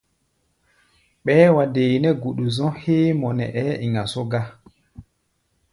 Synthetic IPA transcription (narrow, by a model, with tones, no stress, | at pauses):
ɓɛː˦wa˨de˨jnɛ˦ɡu˨ɗu˨zɔ̃˦heː˦mɔ˨nɛ̰˨ʔɛ˦i˨ŋa˨so˦ɡa˦